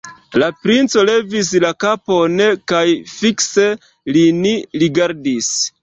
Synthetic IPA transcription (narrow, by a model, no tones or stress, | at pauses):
lapɾint͡so̞le̞vis̬lakapo̞nekajfikse̞ | liniɾiɡaɾdis